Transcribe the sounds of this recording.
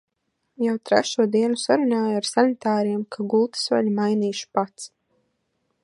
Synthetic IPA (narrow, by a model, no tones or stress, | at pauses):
jawt̪ɾɛ̰ʃuɔd̪iɛnusaɾunaːjaɾsanit̪aːɾiɛmkʰaɡulˠt̪i̥sva̰ʎmajniːʃu̥pat̪s